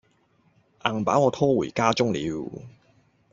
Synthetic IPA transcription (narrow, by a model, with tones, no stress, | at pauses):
ʔaː˨˩ŋpaː˨˥wŋɔː˨˧t̪ʰɔː˥wuː˨˩jkaː˥t͡sʊ˥ŋlḭː˨˧˥w